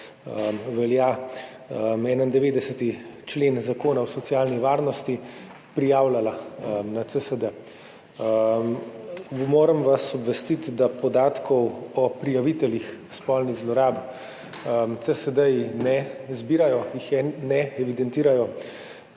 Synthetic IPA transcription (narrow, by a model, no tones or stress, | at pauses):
əmʋɛlja | əmɛːnaind̪ɛʋeːd̪ɛsət̪it͡ʃleːnzakoːnawsɔt̪sijaːlniʋaːɾnɔst̪i | pɾijaːwlalanat̪səsəd̪ə | m | moːɾəmʋasɔbʋɛst̪it̪d̪apɔd̪aːt̪kʰɔwɔpɾijaʋit̪ɛlix | spɔlniɣzlɔɾaːb | mt̪səsəd̪əjinɛzbiːɾajɔjixɛnɛɛʋid̪ɛnt̪iːɾajɔ